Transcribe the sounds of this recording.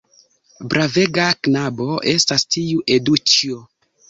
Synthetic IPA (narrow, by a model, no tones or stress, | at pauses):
bɾave̞ɡaknabo̞ʔe̞stastiuʔe̞dut͡ʃio